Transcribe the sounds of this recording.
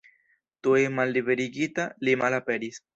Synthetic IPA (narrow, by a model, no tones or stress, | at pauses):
t̪uemalːiβeɾiɡit̪alimalapeɾis